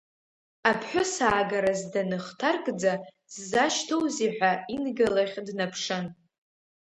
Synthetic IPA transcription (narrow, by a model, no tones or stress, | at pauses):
apʰħʷᶣʊsaːɡaɾazdanɨχtʰarɡʼd͡za | sːaʃtʰowziħʷᶣainɡalaχʲdnapʰʂɨn